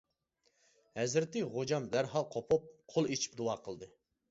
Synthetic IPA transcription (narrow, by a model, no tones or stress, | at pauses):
hɛzɾɪt̪ɪʁod͡ʒɑmd̪æɾɦɑlˠqʰopʰup̚qʰolˠet͡ʃʰi̥p̚d̪uɑːqʰəlˠd̪ɨ